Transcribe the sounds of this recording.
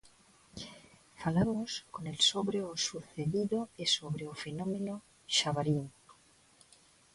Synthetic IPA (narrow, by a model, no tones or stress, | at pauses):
falamoskonelsoβɾeosuθeðiðoesoβɾeofenõmẽno | ʃaβaɾinto